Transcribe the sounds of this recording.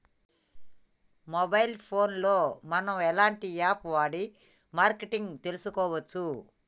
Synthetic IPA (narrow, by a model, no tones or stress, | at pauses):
mɔbɐjlpʰoːnlo̞ːmɐnɐmɛlaːɳʈiaːpʋaːɽi | maːɾkeʈiŋɡt̪elusukɔːʋɐt͡ʃːu